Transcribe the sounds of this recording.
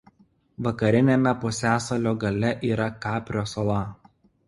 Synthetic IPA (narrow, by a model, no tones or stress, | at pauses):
ʋɐkɐɾʲɪnʲemʲɛpʊsʲæːsɐlʲoːɡɐlʲɛʔiːɾɐkɑːpʲɾʲoːsolˠɐ